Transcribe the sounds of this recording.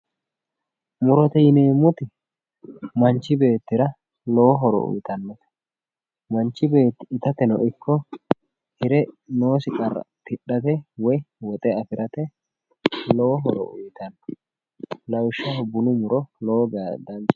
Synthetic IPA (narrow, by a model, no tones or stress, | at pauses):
mʊɾɔt̪ɛjɪneːmːʊt̪ɪ | mɐnt͡ʃːɪbe̞ːt̪ːɪɾɐ | lɔwɔɦɔɾɔ̰ʊ̰jt̪ɐnːɔ | mɐnt͡ʃːɪbe̞ːt̪ːɪt̪ɐt̪ɛnɔ̰ʔɪkʰːɔ | hɪɾɛno̞ːsɪkʼɐɾɐ̰t̪ɪɗːɐt̪ɛwɔjwɔt̪ʼɛɐfɪɾʔɐt̪ɛ | lɔwɔɦɔɾɔ̰ʊjt̪ɐnːɔ | lɐwʃːɐhɔbʊnʊmʊɾɔlɔwɔɡaːd̪ɐnt͡ʃ